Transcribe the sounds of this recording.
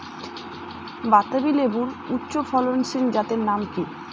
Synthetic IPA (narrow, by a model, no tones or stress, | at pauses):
bat̪ːabilebuɾutːɕofʰɔlonsind͡ʑat̪eɾnamki